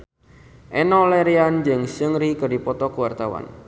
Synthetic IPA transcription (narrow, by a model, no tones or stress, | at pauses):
ʔenɔleɾiand͡ʒəŋsəŋɾikədipɔt̪ɔkuwart̪awa̰n